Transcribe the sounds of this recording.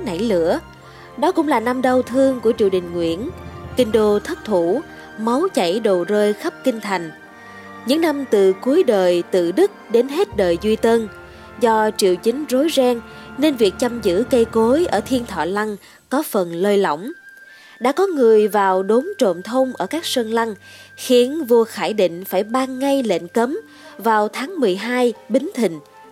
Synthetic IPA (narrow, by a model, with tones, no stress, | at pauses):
na̰˧˩jlɨ̰˧˥ə | ɗɔ˨˦kʊ̰˧˥ŋ͡mlaː˨˩na˧mɗə˧wt̪ʰɨ˧əŋku˧˩ət͡ɕi˧˩əwɗï˨˩ŋ̟ŋwḭ˧˥˨ənkï˧ŋ̟ɗo˧t̪ʰə˦˥t̚t̪ʰu˧˩ | ma˨˦wt͡ɕa̰˧˩jɗo˨˩zəː˧jxə˦˥p̚kï˧ŋ̟t̪ʰa˨˩jŋ̟ | ɲɨ̰˧˥ŋna˧mt̪ɨ˨˩ku˨˦əjɗəː˨˩jt̪ɨ̰˧˨ɗɨ˦˥k̚ɗe˨˦nɦe˦˥t̚ɗəː˨˩jzwi˧t̪ə˧n | zɔ˧t͡ɕḭ˧˨əwt͡ɕï˨˦ŋ̟zo˨˦jzɛː˧ŋne˧nvi˨˩ək̚t͡ɕa˧mzɨ̰˧˥kə˧jko˨˦jʔəː˧˩t̪ʰi˧ənt̪ʰɔ̰˧˨la˧ŋ | kɔ˨˦fə˨˩nləː˧jlɔ̰˧˩wŋ͡m | ɗa̰ː˧˥kɔ˨˦ŋɨ˨˩əjvaː˨˩wɗo˨˦nt͡ɕo̰˧˨nt̪ʰə˧wŋ͡mʔəː˧˩kaː˦˥k̚sə˧nla˧ŋ | xi˨˦ənvu˧əxaː˧˩jɗḭ̈˧˨ŋ̟faː˧˩jɓaː˧ŋːa˧jlḛ˧˨nkə˨˦m | vaː˨˩wt̪ʰaː˨˦ŋmɨ˨˩əjɦaː˧jɓï˨˦ŋ̟t̪ʰï˨˩ŋ̟